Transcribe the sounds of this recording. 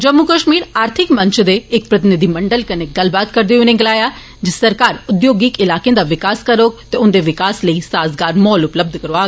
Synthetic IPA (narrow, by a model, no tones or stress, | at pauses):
d͡ʒɐmːukəʃmiːɾaːɾt̪ʰɪkmɐ̃ɲt͡ʃd̪eːk̚pɾɐt̪̬ɪnɪd̪ʱimɐɳɖəlkɐneɡɐlbaːt̪kɐɾd̪eʊnẽɡɐlaːja | d͡ʒesɐɾkaːɾʊd̪joːɡɪkɪlaːkẽnd̪aʋɪkaːskɐɾoːkt̪eʊnd̪eʋɪkaːsləisaːzɡaːɾmɔːlʊpləb̚d̪ʱkɐɾoaː